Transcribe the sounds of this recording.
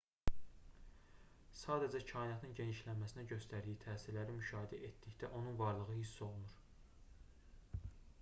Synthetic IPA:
sɑːd̪æd͡ʒæcʰɑːinɑt̪ʰɯnɟe̞niʃlænmæsinæɟø̞st̪ʰæɾd̪ijit̪ʰæːsiɾlæɾimyʃɑːɦid̪æʔet̪d̪içd̪æʔo̞nunvɑɾlˠɯɣɯhisːo̞lˠunuɾ

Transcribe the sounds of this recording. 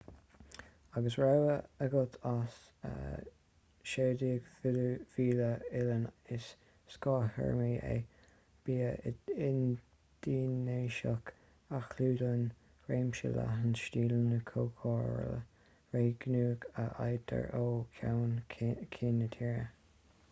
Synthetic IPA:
aɡəsɹawəəɡʊlt̪ʰas | ə̰ | ʃeːdiəɡv̥iːləɪlənɪsː | kɑːhə̰ɹmiːʔḛ | b̥iːəɪn | d̪̥iːnːeːʃək | axluːdən | ɹeːmʃə̰la̰ɦənʃtiːlənəkʰoːkʰɔːɹə̰lə̰ | ɹeːɡ̥nuːɡəʔajt̪ʰə̰ɹoːkʰawnkʰiːnət̪ʰiːɹə̰

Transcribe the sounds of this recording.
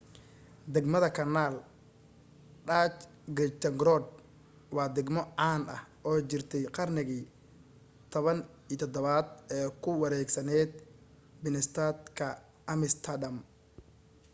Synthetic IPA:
d̪ɛɡmɐðɐkʰɐnaːl | ɖaːt͡ʃ | ɡɪt̪ɛŋɡɾɔd̪̚ | wɑːd̪ɛɡmɔʕaːnɐ̰hʔɔːt͡ʃɪrt̪ʰɛjqɑrnɪɣi | t̪ʰɔβɐn | iːt̪ʰɔd̪ɔβaːd̪ɛːkʰʊwɑɾɛːɡsɐnɛːd̪̚ | bɪnɛst̪ʰat̪kʰɐ | ɐmɪst̪ʰɐdɐm

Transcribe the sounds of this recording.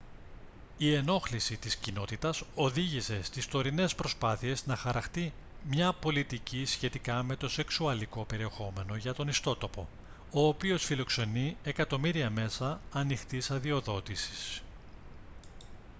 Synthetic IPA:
ie̞no̞xlisit̪iscino̞t̪it̪ɐso̞ðiʝise̞st̪ist̪o̞ɾine̞spɾo̞spɐθie̞znɐxɐɾɐxt̪i | mɲɐpo̞lit̪icisçe̞t̪ikɐme̞t̪o̞se̞ksuɐliko̞pe̞ɾie̞xo̞me̞no̞ʝɐt̪o̞nist̪o̞t̪o̞po̞ | o̞ːpio̞sfilo̞kse̞nie̞kɐt̪o̞miɾiɐme̞sɐːnixt̪isɐðio̞ðo̞t̪isi̥s

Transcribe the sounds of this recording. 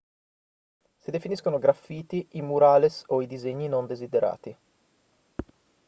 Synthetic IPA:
sid̪efiniskonoɡɾafːiːt̪iʔimuɾaːlesoid̪izeɲːinond̪ezid̪eɾʔa̰ːt̪i

